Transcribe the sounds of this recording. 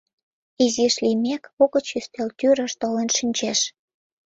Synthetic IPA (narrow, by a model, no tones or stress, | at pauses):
iziʃlimekoɣə̆t͡ɕyst̪elt̪yɾə̆ʃt̪olenʃinʲt͡ɕeʃ